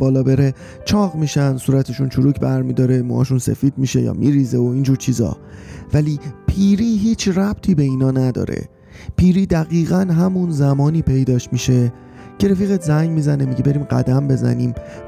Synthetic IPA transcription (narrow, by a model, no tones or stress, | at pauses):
b̥ɒːlɒːbeɾe | t͡ʃʰɒːɣmiːʃænsuːɾæt̪ʰeʃunt͡ʃʰuɾuːcʰbæɾmiːd̪ɒːɾe̞mo̰hɒ̰ːʃunsḛfiːd̪̥̚miʃe̞̰jɒ̰ːmḭɾiːzeoiːnd͡ʒuːɾt͡ʃʰiːzɒ̰ː | væliːpʰiːɾiːɦiːt͡ʃʰræb̥̚t̪ʰiːbe̞iːnɒːnæd̪ɒ̰ːɾḛ | pʰiːɾiːd̪æɣiːɣænɦæmunzæmɒːniːpʰe̞jd̪ɒːʃtmiʃe̞ | cʰe̞ɾefiːɣet̪ʰzæŋɟmiːzænemiɟebe̞ɾiːmɢæ̰d̪æmbe̞zæ̰niːm